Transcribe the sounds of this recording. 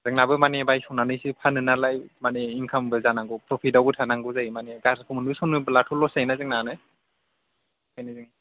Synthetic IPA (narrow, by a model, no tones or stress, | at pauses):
zɯŋnabɯmanebajsɔwnanɯjsipʰanɯnalajmaneiŋkʰambɯzanaŋɡɯpɾɔpʰidawbɯtʰanaŋɡɯzajimaneɡaskʰɯmɯnbɯsɔnɯblatʰɔlːɔsajnazɯŋnanɯ | hajnɯzɯŋ